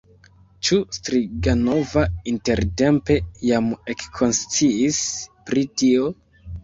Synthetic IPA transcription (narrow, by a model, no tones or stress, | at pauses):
t͡ʃustɾiɡano̞vainte̞ɾte̞mpe̞jamekkʰo̞nst͡siispɾitio̞